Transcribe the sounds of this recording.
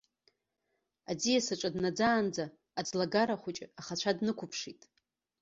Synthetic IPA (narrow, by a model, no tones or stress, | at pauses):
ad͡zijasaʈ͡ʂʷʼadnad͡zaːnd͡zaː | d͡zʼlaɡaɾaχʷʊt͡ʃʼɪaχat͡ʃʷʰadnɨkʷʰʊpʰʂitʼ